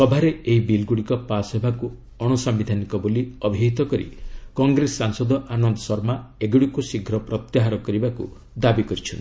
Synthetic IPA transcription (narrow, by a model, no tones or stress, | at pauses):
sɔbʱaɾeeɦibilɡuɽikɔpasɦebʱaku | ɔɽ̃usɔmbid̪ʱanikɔboliɔbʱiɦit̪ɔkɔɾḭkɔŋɡɾesːaŋsɔd̪ɔʔanɔnd̪ɔsɔɾmaeɡuɽikusiɡʱɾɔpɾɔt̪jaɦaɾɔkɔɾibakṵ | d̪abikɔɾit͡ʃʰɔnt̪i̥